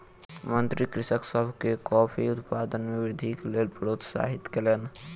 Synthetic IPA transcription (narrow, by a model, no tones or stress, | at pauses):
mənt̪ɾikɾɪʃəksəbʱkekɔːpʰiʊt̪paːd̪ənmeʋɪd̪ʱiklelpɾot̪sa̰ːɦɪt̪kelen